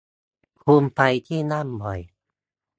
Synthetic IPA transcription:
pʰuː˧mpa˧jt̪ʰiː˥˩na˥˩˨mbɔ˨˩j

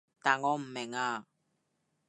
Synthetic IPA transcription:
ta˨ŋɔ˦m̩˨mɛ˨ŋaː˦˨

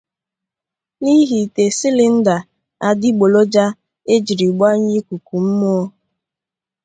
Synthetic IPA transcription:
ni˦ɦi˨te˨sɪ˦lɪ˦n̩˦da˨ | a˦dɪ˦ɡ͡bo˨lo˦d͡ʒa˦ | e˦d͡ʒi˨ɾi˨ɡ͡ba˦ɲi˦ku˨ku˨m̩˦mɔ˦ɔ˦

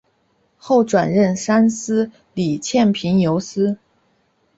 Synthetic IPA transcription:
xo˥˩ʊʈ͡ʂwa˨˩nɻə˥˩nʂa˥nsɹ̩˥ | li˨˩t͡ɕʰjɛ˥˩npʰi˧˥ŋjo˧˥ʊsɹ̩˥

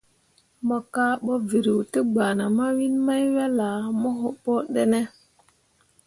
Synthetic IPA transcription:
mɔ˨ka˦ɓo˦vi˨ɾi˨wtə˦ɡ͡ba˨na˨ma˦wi˦nma˦jwa˦la˨mɔ˦ɦo˦pɔ˦ɗe˦ne˦

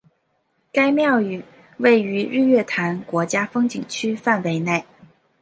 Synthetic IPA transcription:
ka˥ɪmjɑ˥˩ʊy˨˩˦ | we˥˩ɪy˧˥ɻ̩˥˧ɥɛ˥˩t̪ʰa˧˥nkwɔ˧˥t͡ɕja˥fɤ˥ŋt͡ɕi˨˩ŋt͡ɕʰy˥fa˥˩nwe˧˥ɪne˥˩ɪ

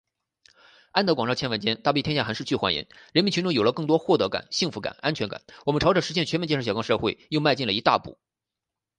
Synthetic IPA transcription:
a˥nt̪ɤ˧˥kwɑ˨˩ŋʈ͡ʂɑ˥˩t͡ɕʰɛ˥nwə˧˥nt͡ɕjɛ˥nt̪a˥˧p̬ji˥˩t̪ʰɛ˥ja˥˩xʂɻ̩˥˧t͡ɕy˥˩xwa˧˥nḭ˧˥n | ɻə˧˥nmi˧˥nt͡ɕʰi˧˥ŋʈ͡ʂʊ˥ŋjo˨˩ʊlə˦kɤ˥˩ŋt̪wɔ˥xwɔ˥˩t̪ɤ˧˥ka̰˨˩nɕi˥˩ŋfu˧˥ka̰˨˩˦na˥nt͡ɕʰɥɛ˧˥nka̰˨˩˦nwɔ˨˩mə˦nʈ͡ʂʰɑ˧˥ʊʈ͡ʂɤ˨˩ŋʂɻ̩˧˥ɕjɛ˥˩nt͡ɕʰɥm˥t͡ɕʰɕɑ˨˩˥kɑ˥˧xwe˥˩ɪjo˥˧ʊma˥˧ɪt͡ɕi˥˩lə˩i˧˥t̪a̰˥˧˩pṵ˨˩˦

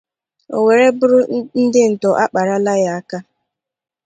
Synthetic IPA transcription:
o̰˨we˨ɾe˦bʊ˦ɾʊ˦n̩˦dɪ˦n̩˨tɔ˨ʔa˦k͡pa˨ɾa˦la˦ja˦a˦ka˦

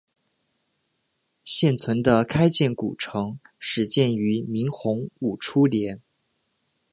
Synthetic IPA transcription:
ɕjɛ˥˩nt͡sʰwə˧˥nd̪ə˧kʰa˥ɪt͡ɕjɛ˥˩nkṵ˨˩ʈ͡ʂʰɤ˧˥ŋ | ʂɻ̩˧˥t͡ɕjɛ˥˩ny˧˥mi˧˥ŋxʊ˧˥ŋu˨˩ʈ͡ʂʰu˥ljɛ˧˥n

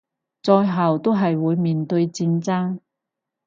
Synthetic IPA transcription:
t͡sɔː˧jɦɐ˨wt̪o˥wɦɐ˨jwuː˨˧jmiː˨nt̪ɵ˧ɥt͡siː˧nt͡saː˥ŋ

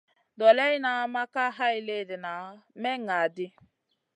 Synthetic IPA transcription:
dɔ˨lɛ˦ɪ˦na˨˦ma˦ka˦ɦa˦ɪ˨le˦˨dɪ˨na˨˦me˦ŋa˨dɪ˦

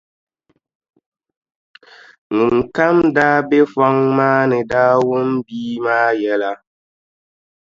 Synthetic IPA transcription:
ŋi˨ŋ˨ka˦mdaː˦be˦fɔ˦ŋmaː˦nɪ˨daː˦wu˦mbiː˦maː˦jɛ˦la˨

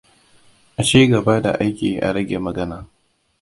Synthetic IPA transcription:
ʔa˨t͡ʃiː˦ɡɐ˨ba˦da˨ʔa˦jkʲiː˨ʔa̰˨ɾɐ˦ɡʲe˨mɐ˨ɡɐ˦naː˨

